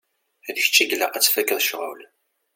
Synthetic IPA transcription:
ðəç̥t͡ʃːæɡlaʁæt͡sːfækːəðˤʃʁʊl

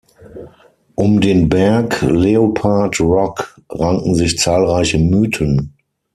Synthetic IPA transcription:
ʔʊmdeːnbɛɐkleopʰaɐtʁɔk | ʁaŋŋ̩zɪçt͡saːlʁaɪçəmyːtʰən

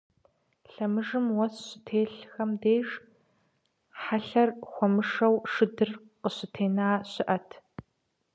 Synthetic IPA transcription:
ɬɐmɨʐɨmwɔsɕɪtʰeːɬxɐmdeːʐ | ħaɬɐrxʷɔmɨʂɐwʂɨdɨr | qəɕɪtʰeːnaːɕɪʔɐtʰ

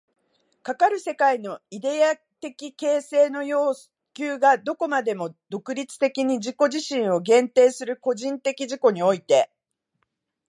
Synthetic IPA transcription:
kakaɾɯ̟se̞kaino̞id̪e̞a | t̪e̞kʲike̞ːse̞ːno̞jo̞ːs | kʲɨːɡad̪o̞ko̞mad̪e̞mo̞d̪o̞kɯ̟ɾʲit͡sɨ̥t̪e̞kʲiɲ̟iʑiko̞ʑiɕĩɰ̃o̞ɡẽ̞nt̪e̞ːsɨɾɯ̟ko̞ʑĩnt̪e̞kʲiʑiko̞ɲ̟io̞it̪e̞

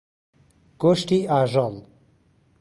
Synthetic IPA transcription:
ɡ̥oʃʈiaːʒɔl

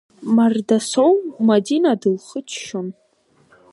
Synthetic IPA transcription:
mardasowmadinadɨlχət͡ʃʰʃon

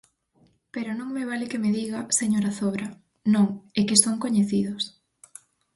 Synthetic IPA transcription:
peɾʊnõŋmeβ̞alɪkemeðiɣaseɲoɾaθoβɾɐ | nõŋekesoŋkoɲeθið̞ʊs

